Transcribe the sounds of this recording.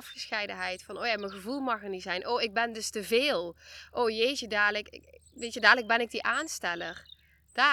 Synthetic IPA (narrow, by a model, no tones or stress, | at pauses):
fxəsxɛjdəɦɛjtfɑnoːjaːmənɣəvulˠmɑχərnizɛjnʔoːɪɡ̚bɛndɵstəveːlˠʔowjejʒədaːləkɪʋejtədaːləɡ̚bɛnɪɡ̚diʔaːnstɛlər | d̥aː